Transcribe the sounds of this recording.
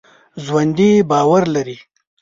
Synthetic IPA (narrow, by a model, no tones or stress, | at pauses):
ʒwand̪ibɑːwaɾlaɾi